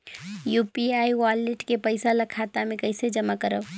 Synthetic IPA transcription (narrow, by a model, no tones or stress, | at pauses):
jupiaiwaleʈkepəɪsaləkʰat̪amẽkəɪsed͡ʒəmakəɾəb